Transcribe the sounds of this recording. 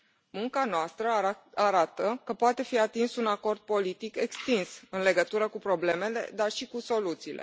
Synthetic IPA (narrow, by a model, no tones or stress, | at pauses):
muŋkanoast̪ɾəaɾat̪əkəpoat̪e̞fiat̪insunako̞rd̪̚po̞lit̪ike̞kst̪insɨnle̞ɡət̪uɾəkupɾo̞ble̞me̞le̞̰d̪arʃikuso̞lut̪siːlʔe